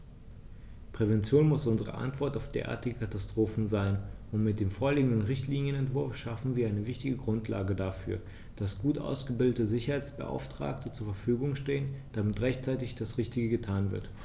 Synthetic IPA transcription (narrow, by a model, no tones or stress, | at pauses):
pʁ̥ɛvɛnt͡sjoːnmʊsʔʊnzəʁ̞ə̰ʔa̰ntv̥ɔɐtaʊfd̥ḛːɐʔa̰ːɐtɪɡəkʰatastʁ̥oːfn̩zaɪnʔʊntmɪt̚d̥eːmfoːɐliːɡŋ̩dənʁɪçtʰliːnjənɛntv̥ʊɐfʃafn̩viːɐaɪnəvɪçtɪɡəɡʁʊntʰla̰ːɡədafy̰ːɐ | d̥asɡ̥uːtʔa̰ʊsɡ̥əbɪldətəzɪçɐhaɪt͡sb̥ə̰ʔa̰ʊftʁ̥a̰ːk̚tʰət͡suːɐfɛɐfyːɡʊŋʃteːənd̥amɪtʁɛçtt͡saɪtɪçd̥asʁɪçtɪɡəɡətʰaːnvɪ̰ɐt